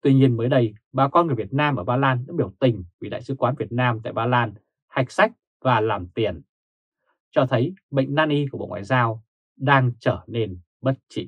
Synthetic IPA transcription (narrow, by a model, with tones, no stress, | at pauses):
t̪wi˧ɲi˧ənməː˨˦jɗə˧jɓaː˧˩kɔ˧nŋɨ˨˩vi˨˩ət̚naː˧mʔəː˧˩ɓaː˧laː˧nɗa̰ː˧˥ɓi˧˩əwt̪ï˨˩ŋ̟vi˨˩ɗa̰ː˧˨jsɨ̰˨˦kwaː˨˦nvi˨˩ət̚naː˧mt̪a̰ː˧˨jɓaː˧laː˧n | ha˨˩jk̟̚sa˦˥jk̟̚ | vaː˨˩laː˨˩mt̪i˨˩ən | t͡ɕɔ˧t̪ʰə˨˦jɓə̰˧˨jŋ̟naː˧nʔi˧ku˧˩ɓo̰˧˨ŋwa̰ː˧˨jzaː˧w | ɗaː˧ŋt͡ɕəː˧˩ne˧n | ɓə˦˥t̚t͡ɕḭ˧˨